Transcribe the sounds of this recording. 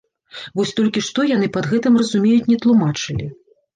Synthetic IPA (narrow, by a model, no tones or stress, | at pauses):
vɔsʲt̪ɔlʲkʲiʂt̪ɔjanɨpɐd̪ɣɛt̪ɨmrɐzumʲejut͡sʲnʲɛt̪lˠumat͡ʂɨlʲi